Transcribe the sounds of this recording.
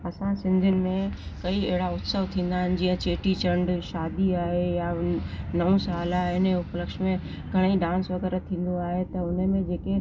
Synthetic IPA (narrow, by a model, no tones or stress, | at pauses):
ɐsãsɪ̃nd̪ʱʊnɪ̆mẽkɐieɦɪɽaʊt̪səʋt̪ʰĩːn̆d̪aːɦɪnɪ̆d͡ʑiːə̃t͡ɕeːʈit͡ɕɐ̃ɳɖʃaːd̪iaːɦejanɐũsaːlaɦɪnʊpləkʃmẽ | ɡʱɐɽ̃iɖãːnsʋɐɡɛːɾat̪ʰĩːn̆d̪oaːɦet̪ɐʊnmẽd͡ʑeːke